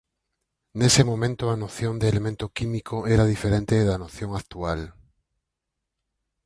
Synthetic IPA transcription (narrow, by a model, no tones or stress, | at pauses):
nesemomẽnt̪oanoθjond̪eːlemẽnt̪okimikʰoeɾað̞ifeɾent̪eðanoθjoŋakt̪ual